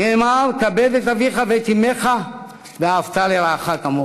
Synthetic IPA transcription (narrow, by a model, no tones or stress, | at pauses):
emaɾkabed̪et̪aviχavet̪imeχa | veaːvt̪aleɾaːχakamo